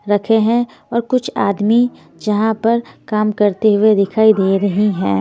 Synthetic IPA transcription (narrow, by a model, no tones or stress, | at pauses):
ɾɐkʰeɦɛ̃ | ɔːɾkʊt͡ʃʰaːd̪mi | d͡ʒɐɦãpɐɾkaːmkɐɾt̪eɦʊed̪ɪkʰaːid̪eːɾɐɦiɦɛ̃ː